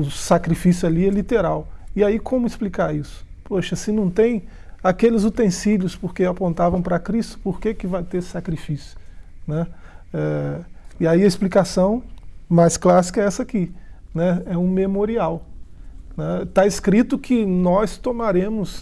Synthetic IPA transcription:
ʊsakɾifisjʊaliɛlit̪eɾawɪaikõmʊɪsplikaɾisʊ̥ | poʃɐsɪnɐ̃w̃t̪ẽj̃ | akelɪzut̪ẽsiljʊspoɾkeapõnt̪avɐ̃w̃pɾɐkɾist̪ʊ̥poɾkekɪvajt̪eɾsɪsakɾifisjʊ̥nɛɛ | ɪaiɐɪsplikasɐ̃w̃majsklasi̥kɐɛsɐakinɛɛũmemoɾiaw | nɛt̪aɪskɾit̪ʊkʰɪnɔst̪omaɾẽmʊs

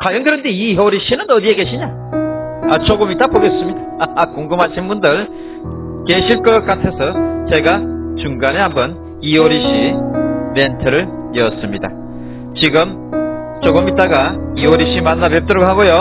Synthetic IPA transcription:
kwajʌnɡɯɾʌndeiɦoɾiɕʰinɯnʌdie̞ke̞ɕʰiɲa | at͡ɕoɡɯmit͈apoɡe̞s͈ɯmɲidaːkoŋɡɯmaɕʰinbundɯɭ | ke̞ɕʰiɭk͈ʌk͈atʰe̞sʰʌt͡ɕe̞ɡat͡ɕuŋɡane̞ɦambʌn | ioɾiɕ͈ʰi | mentʰɯɾɯɭ | jʌs͈ɯmɲida̰ | t͡ɕiɡɯm | t͡ɕoɡɯmit͈aɡaioɾiɕʰimanːapep̚t͈ɯɾokhaɡojo

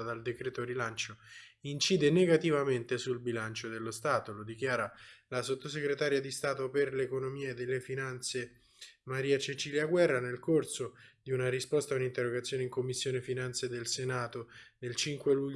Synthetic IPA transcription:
ad̪ald̪ekɾɛːt̪oɾilant͡ʃoint͡ʃiːd̪eneɡat̪ivament̪esulbilant͡ʃod̪elːost̪aːt̪olod̪ik̟jaːɾalasot̪ːos̬ekɾet̪aːɾjad̪ist̪aːt̪operlekonomiːad̪elːefinant̪se | maɾiːat͡ʃet͡ʃiljaɡwɛrːanelkorsod̪iunaɾispɔst̪aunint̪erːoɡat̪sːjoneiŋkomːisːjoːnefinant̪sed̪elsenaːt̪onelt͡ʃiŋkweluʎː

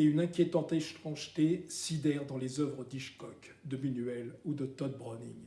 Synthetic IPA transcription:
eynɛ̃kʲjet̪ɑ̃t̪ɛst̪χɑ̃ʒt̪esid̪ɛʁd̪ɑ̃lezœvʁəd̪iʃkɔk | d̪əminyɛlud̪ət̪ɔd̪̚bʁɔniŋ

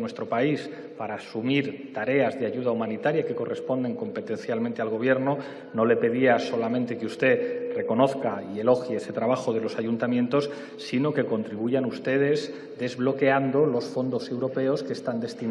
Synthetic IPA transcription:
nwe̞st̪ɾo̞pais | paɾaːsumiɾt̪aɾe̞azðeaʝuð̞aumãnit̪aɾjake̞ko̞rʔe̞spo̞nd̪e̞ŋko̞mpe̞t̪e̞nθjalmẽnt̪e̞alɣ̞o̞β̞je̞ɾno | no̞le̞pe̞ðiaso̞lamẽnt̪e̞keust̪e̞re̞ko̞no̞θkaie̞lo̞xjeset̪ɾaβaxo̞ð̞e̞lo̞sajunt̪amjẽ̞nt̪o̞sː | ino̞ke̞ko̞nt̪ɾiβuʝanust̪e̞ð̞e̞z | d̪e̞zβlo̞ke̞and̪o̞lo̞sfo̞nd̪o̞se̞wɾo̞pe̞o̞ske̞st̪and̪e̞st̪i

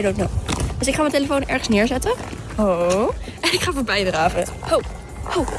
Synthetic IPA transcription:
jdotnod̥øs̬ɪkχaːmənteləfownʔɛɹχə̥snɪːɹzɛtə | o | ɛnɪkχaːfɔːɹbɛjdəɾaːvənthow | how

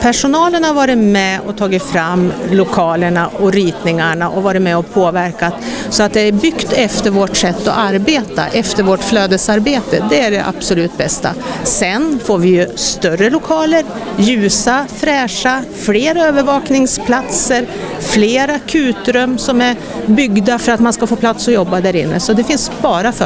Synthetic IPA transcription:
pʰæʂʊnɑːləɳhaɾvɑːɾɪt̪mɛɔt̪ʰɑːɡɪt̪fɾamːlʊkʰɑːləɳaɔɾiːt̪nɪŋaɳaʔɔvɑːɾɪt̪mɛɔpʰoːvæɾkat̪sɔat̪̚d̪ɛæɾbʏkt̪ɛft̪əɾvoʈsɛt̪ːɔ̰ʔaɾbeːt̪a̰ʔɛft̪əɾvoʈfløːd̪əsaɾbeːt̪əd̪ɛæɖɛʔa̰b̥sʊlʉ̟ːt̪̚bɛst̪a̰sɛnfoːɾvɪjɵst̪œrəlʊkʰɑːləɾ | jʉ̟ːsafɾɛːʂafleːɾaøːvəɾvɑːknɪŋspʰlat̪səɾ | fleːɾakʰʉ̟ːt̪ɾɵmsɔmæɾ | bʏɡd̪afœɾat̪manskafoːpʰlat̪sɔjɔbːad̪æːɾɪnːə̰sɔd̪ɛfɪnsbɑːɾafœ

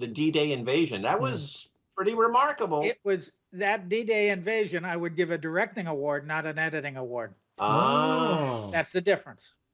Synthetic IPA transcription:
ðɨdideɪɨ̃ɱveɪʒɨ̃nðɨt̚wʌz | pʰɹ̥ɪɾiɹɪmɑɹkəbl̩ˠɪt̚wʌz | ðɨt̚d̥ideɪɨ̃ɱveɪʒɨ̃naɪwɨd̚ɡɪvɨdə˞ɛk̚tɪ̃ŋəwɔɹdⁿnəɾɨ̃nɛɾɨɾɪ̃ŋəwɔɹd̚ | ʔo | ðætsðɨdɪfɹə̃ns

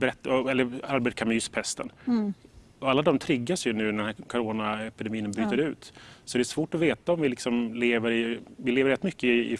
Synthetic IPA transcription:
bɛɾɛt̪ːɔɛlːəɾaɾbeːʈ̚kʰamʏspʰɛst̪ə̰n | ɔalːad̪ɔmt̪ʰɾɪɡːasjɵnʉ̟ːnæd̪ɛnhæːkʰɔɾoːnaɛpɪd̪ɛmiːnənbyːt̪əɾʉ̟ːt̪sɔdɛɛsv̥oːʈɔveːt̪aɔmvɪlɪksɔmleːvəɾɪvɪleːvəɾɛt̪mʏkːəɪɪ̰

